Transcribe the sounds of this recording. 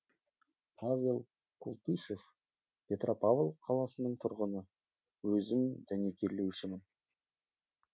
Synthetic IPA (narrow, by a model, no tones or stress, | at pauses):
pʰavʲe̞lˠ | kʰulˠt̪iʃe̞f | pʲʰe̞t̪rʔo̞pavlˠqʰɑlˠɑsənəɴt̪ʰʊɾʁənə | wɵzɪmd̪æne̞kʲʰe̞ɾle̞wʃɪmɪn